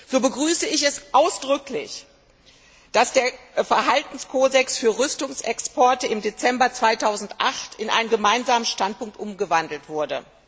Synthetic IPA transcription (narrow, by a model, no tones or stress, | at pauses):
z̥oːbəɡʁyːsəɪçɛsʔaʊsd̥ʁʏklɪ̰ç | d̥asd̥eːɐfɛɐɦaltn̩skʰoːdɛksfyːɐʁʏstʊŋsɛkspɔɐtəɪmdet͡sɛmbɐt͡sv̥aɪtʰaʊzn̩tʔaχtʰɪnʔa̰ɪnənɡəmaɪnzaːmənʃtant̚pʊŋktʔʊmɡəvandl̩tv̥ʊɐdə̰